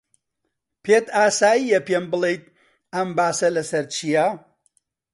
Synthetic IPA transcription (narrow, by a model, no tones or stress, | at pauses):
pʰeːt̪aːsaːjijɐpeːmbɨlˠejt̪̚ | ɐmbaːsɐlɐsɐɾt͡ʃʰijɐ